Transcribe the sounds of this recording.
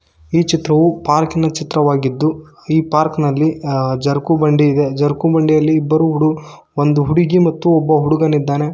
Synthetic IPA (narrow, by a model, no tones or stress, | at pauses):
iːt͡ʃit̪ɾɐʋupaːɾkinɐt͡ʃit̪ɾɐʋaːɡid̪ːu | iːpaːɾknɐlːid͡ʒɐɾkubɐɳɖiːd̪e̞d͡ʒɐɾkubɐɳɖijɐlːiːbːɐɾuɦuɽu | ond̪uɦuɽiɡimɐt̪ːuɔbːɐɦuɽuɡɐnid̪ːaːne̞